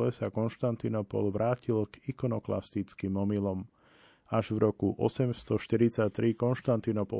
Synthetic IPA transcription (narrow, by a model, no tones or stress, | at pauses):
lɛsakɔnʃt̪ant̪inɔpɔ̰lʋɾʔaːcilɡikɔnɔkla̰st̪it͡skimɔmilɔm | aʒvɾɔkuʔɔ̰sɛmst̪ɔʃt̪iɾit͡sact̪ɾikɔnʃt̪ant̪inɔpɔ̰